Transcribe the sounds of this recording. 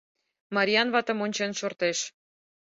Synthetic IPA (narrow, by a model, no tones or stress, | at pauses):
mɑɾʲiɑnβɑt̪ə̆monʲt͡ɕenʃort̪eʃ